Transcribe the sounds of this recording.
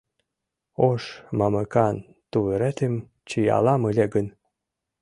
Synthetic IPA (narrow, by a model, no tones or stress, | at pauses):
oʃmɑməkɑn | t̪uβeɾet̪em | t͡ɕijɑ̰lɑməlʲeɡən